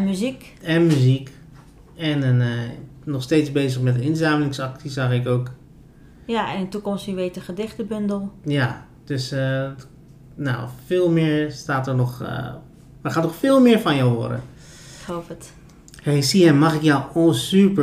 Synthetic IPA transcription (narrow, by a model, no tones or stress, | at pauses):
myzik | ɛnmyzik | ɛn | nɔχstejtzbejzəχmɛtəɪnsaːməlɪŋsɑktisaχɪkoːk | jaɛnɪtukɔmstiʋejtəχədɪχtəbɵndəlˠja | d̥øs | na̰wfɪːlˠmɪːɹstaːtəɹnɔχ | maχaːtnɔχfɪːlˠmɪːɹfɑnjawʋɔ̰də̰ | ɪkhowpət | hejsiɛmɑχɪkjawosypə